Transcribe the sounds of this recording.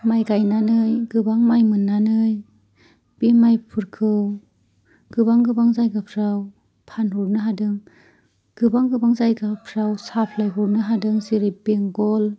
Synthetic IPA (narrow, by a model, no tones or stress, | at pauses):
majɡajnanɯjɡɯbaŋmajmɯnːanɯj | b̥imajpʰɯɾkʰɯw | ɡ̥ɯbaŋɡɯbaŋzajɡapʰɾaw | pʰanɾuɾnɯɦadɯŋ | ɡ̥ɯbaŋɡɯbaŋzajɡapʰɾawsapʰlajɦuɾnɯɦadɯŋziɾibeŋɡɔl